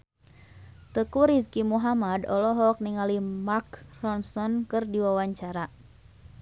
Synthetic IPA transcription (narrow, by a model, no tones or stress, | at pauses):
t̪əkuɾiskimuɦamadɔlɔɦɔk̚niŋalimarkrɔnsɔnkɨrdiwawaɲt͡ʃaɾa